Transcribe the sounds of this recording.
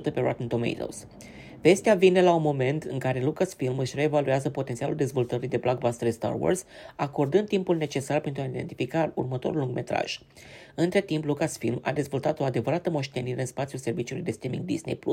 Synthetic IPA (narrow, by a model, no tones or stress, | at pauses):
ut̪əpe̞ɾa̰t̪int̪omḛjt̪ə̰ls | ve̞st̪eavine̞launmo̞me̞nt̪ɨŋkaɾe̞lukasfilmɨʃʲreːvalueazəpot̪e̞nt̪sialuld̪e̞zvo̞lt̪əɾid̪e̞blaɡ̚bast̪eɾst̪a̰rwo̰rzako̞rd̪ɨnd̪t̪ːimpulne̞t͡ʃe̞sarpent̪ɾuaid̪e̞nt̪ifikaṵrmət̪o̞̰ɾulːuŋɡmʔe̞̰t̪ɾa̰ʒ̥ | ɨnt̪ɾe̞t̪implukasfilma̰d̪e̞zvo̞lt̪at̪o̞ad̪e̞vəɾat̪əmo̞ʃt̪e̞niɾe̞ɨnspat̪siulse̞rvit͡ʃiulujd̪e̞st̪ɾimḭŋɡ̚d̪ḭzne̞̰jplṵ